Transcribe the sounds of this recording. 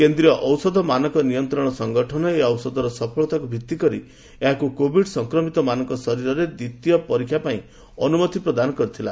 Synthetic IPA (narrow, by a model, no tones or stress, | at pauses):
kend̪ɾijɔʔɔwsɔd̪ʱɔmanɔŋkɔnijɔnt̪ɾɔɽ̃ɔsɔŋɡɔʈʰɔnɔeɔwsɔd̪ʱɔɾɔsɔpʰɔɭɔt̪akubʱit̪ːikɔɾi | eɦakukobʱiɖsɔŋkɾɔmit̪ɔmanɔŋkɔsɔɾiɾɔɾed̪it̪ijɔpɔɾikʰːjapaĩ | ɔnumɔt̪ipɾɔd̪anɔkɔɾit̪ʰila